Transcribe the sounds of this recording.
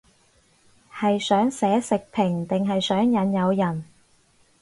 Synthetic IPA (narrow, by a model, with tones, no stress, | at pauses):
hɐ˨jsœː˨˥ŋsɛː˨˥sɪ˨k̚pʰɪ˨˩ŋt̪ɪ˨ŋɦɐ˨jsœː˨˥ŋjɐ˨˥njɐ˨˧wjɐ˨˩n